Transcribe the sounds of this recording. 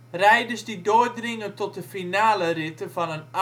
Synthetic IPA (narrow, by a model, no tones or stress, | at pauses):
rɛjdəsdidoːdrɪŋəntɔt̚dəfinaːlərɪtəvɔnən